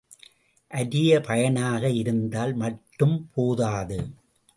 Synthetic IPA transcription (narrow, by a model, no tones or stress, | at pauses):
ʔɐɾɪjɐpʰɐjɐnaːɣɐɪɾɯnd̪aːlmɐʈːɯmpʰoːðaːðɯ